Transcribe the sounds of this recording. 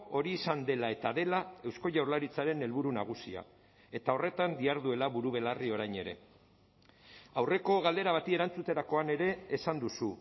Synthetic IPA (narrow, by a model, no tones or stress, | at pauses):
o̞ɾiːsand̪e̞lae̞t̪aðe̞lae̞wsko̞ʝawɾlaɾit͡saɾe̞ne̞lβuɾunaɣ̞usia̰ | e̞t̪ao̞re̞t̪and̪iaɾðue̞laβuɾuβ̞e̞lario̞ɾajɲe̞ɾe̞̰ | awre̞ko̞ɣald̪e̞ɾaβ̞at̪ie̞ɾant͡sut̪e̞ɾako̞ane̞ɾe̞ːsand̪usu